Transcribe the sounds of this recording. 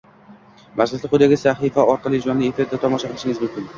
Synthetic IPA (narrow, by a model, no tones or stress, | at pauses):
maslɪsɪqʰʊjd̪aɡʲɪsaχifaɒɾqʰɑlˠɪd͡ʒɒnlːɪefɪɾd̪at̪ʰɒmɒʃaqʰɨlˠɪʃɪŋɪzmʊmkʲʰɪn